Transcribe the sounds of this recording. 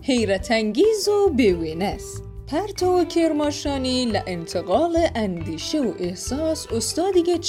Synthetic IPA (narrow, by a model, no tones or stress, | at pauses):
hejɾat̪ʰaŋɡiːzobewenaspʰaɾt̪ʰowkʰeɾmɔʃɑːnilaʔɪnt̪ʰəɣɑːleʔand̪iʃewoʔehsɑːsʊst̪ɑːd̪iɡet͡ʃ